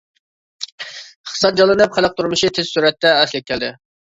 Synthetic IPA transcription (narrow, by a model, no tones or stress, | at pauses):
ɪχt̪ɨ̥sɑt̪̚d͡ʒɑlˠɨnɨpχæləq̚t̪ʰuɾmɨʃit̪ʰɪz̥suɾɛt̪ːɛɛslɪk̚ʲʰːɛld̪ɪ